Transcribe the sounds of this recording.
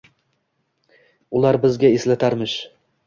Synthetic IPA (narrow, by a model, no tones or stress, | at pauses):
ulˠɑɾbɘ̆zɡʲæislæt̪ʰaɾmɘʃ